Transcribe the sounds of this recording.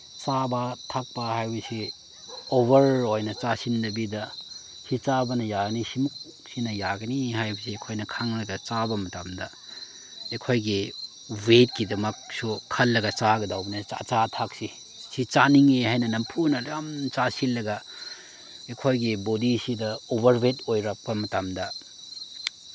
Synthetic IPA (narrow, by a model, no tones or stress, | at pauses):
t͡ʃabɐtʰak̚pɐhajbɐsi | oβɐɾojnɐt͡ʃasindɐbidɐ | sit͡ʃabɐnɐjaɡɐnisimuk̚ | sinɐjaɡɐniɦajbɐsiekʰojnɐkʰaŋlɐɡɐt͡ʃabɐmɐtamdɐ | ekʰojɡi | wet̚kidɐmɐk̚suɐlːɐɡɐt͡ʃaɡɐdawbɐnɐa̰t͡ʃatʰak̚si | sit͡ʃaniŋehajnɐnɐmpʰunɐɾamt͡ʃasilːɐɡɐ | ekʰojɡibodisidɐobɐɾbetojɾɐk̚pɐmɐtamdɐ